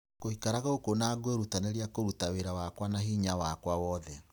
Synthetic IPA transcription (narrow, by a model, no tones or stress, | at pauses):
kohikaɾaɣaokonaɡweɾutaneɾiakoɾutaweɾawakwanaɦiɲawakwawɔðɛ